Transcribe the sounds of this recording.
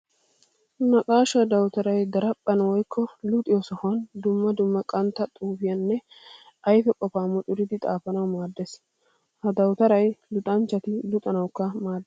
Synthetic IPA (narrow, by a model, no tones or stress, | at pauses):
nɐkʼaːʃɐd̪ɐwt̪ɐɾɐjd̪ɐɾɐpʼːɐnwɔjkʰːɔlʊt̪ʼɪjɔsɔhɐnd̪ʊmːɐd̪ʊmːɐkʼɐnt̪ːɐt̪ʼuːfɪjɐnːɛ | ɐjfɛkʼɔfaːmʊᶑ̪ʼʊɾɪd̪ɪt̪ʼaːfɐnɐwmaːd̪ːes | hɐd̪ɐwt̪ɐɾɐjlʊt̪ʼɐnt͡ʃːɐt̪ɪlʊt̪ʼɐnɐwkːɐmaːd̪ːɛ